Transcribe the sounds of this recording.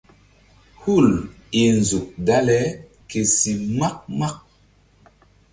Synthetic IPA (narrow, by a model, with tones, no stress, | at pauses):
hu˦˨l | i˨n˨zu˨k̚da˦lɛ˨˦ | ke˨si˨ma˦k̚ma˦k̚